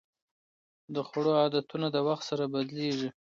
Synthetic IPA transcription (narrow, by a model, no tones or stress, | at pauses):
d̪əxaɽoɑd̪at̪unad̪əwaxt̪saɾabad̪leʐi